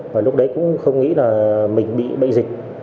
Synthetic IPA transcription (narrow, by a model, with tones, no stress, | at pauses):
vaː˨˩lʊ˦˥k͡p̚ɗə˨˦jkʊ̰˧˥ŋ͡mxə˧wŋ͡mŋḭ˧˥laː˨˩mï˨˩ŋ̟ɓḭ˧˨ɓə̰˧˨jzï˨˩k̟̚